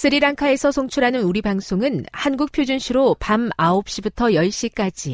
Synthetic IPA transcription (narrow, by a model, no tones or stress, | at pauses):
sʰɯɾiɾaŋkʰae̞sʰʌsʰoŋt͡ɕʰuɾɦanɯnuɾibaŋsʰoŋɯnhanɡuk̚pʰjod͡ʑunɕʰiɾopamaop̚ɕ͈ibutʰʌjʌɭɕ͈ik͈ad͡ʑi